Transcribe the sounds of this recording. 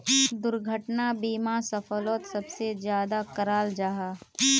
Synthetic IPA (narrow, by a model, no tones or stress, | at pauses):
d̪ʊɾɡʱəʈnabiːmasəfəloːt̪sɐbsed͡ʒjaːd̪akɐɾaːld͡ʒaːɦaː